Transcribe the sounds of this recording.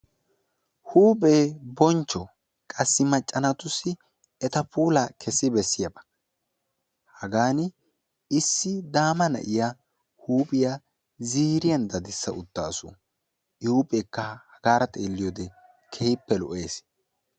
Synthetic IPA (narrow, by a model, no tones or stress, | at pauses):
huːpʼeːbɔnt͡ʃːɔ | kʼɐsːɪmɐt͡ʃʼːɐnɐt̪ʊsɪ | ɛt̪ɐpuːlɐkʰɛsːɪbɛsːɪjɐbɐ̥ | hɐɡaːnɪ | ɪsːɪd̪aːmɐnɐ̰ʔɪja | huːpʼɪja | ziːɾɪjɐnd̪ɐd̪ɪsːɐʊt̪ːaːsʊ̰ | ɪhuːpʼeːkːɐhɐɡaːɾɐt̪ʼeːlːɪjod̪ɛ | kʰɛhɪpːɛlɔ̰ʔe̞ːs